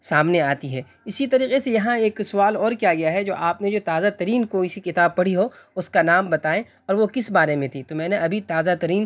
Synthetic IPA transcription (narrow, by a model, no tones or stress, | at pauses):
saːmneaːt̪iɦɛː | ɪsit̪ɐɾiːqesejɐɦãeːksʊʋaːlɔːɾkijaɡɐjaɦɛd͡ʒo̰ːʔaːpned͡ʒoːt̪aːzat̪ɐɾiːnkoɪsikɪt̪aːb̚pɐɽ̤iɦo | ʊskanaːmbɐt̪aːẽ | ɔːɾʋokɪsbaːɾemẽt̪ʰit̪omɛ̃ːneɐbʱit̪aːzat̪ɐɾiːn